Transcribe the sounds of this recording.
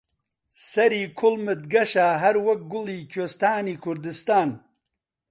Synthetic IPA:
sɐɾiːkʰʊlmɨt̪̚ɡɐʃaːɦɐɾwɐk̚ɡʊliːkʰest̪aːniːkʰʊɾd̪ɪst̪aːn

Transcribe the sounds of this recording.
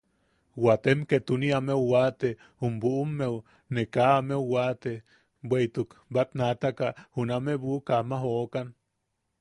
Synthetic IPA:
wat̪emket̪uniamewwat̪e | humbuʔumːew | nekaːmewwat̪e | bwejt̪ukbat̪nat̪akahunameβukamaɦoʔkan

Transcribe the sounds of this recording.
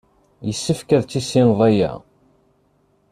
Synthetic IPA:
jəsːəfkæðt͡sːisinðˤæjæ̰

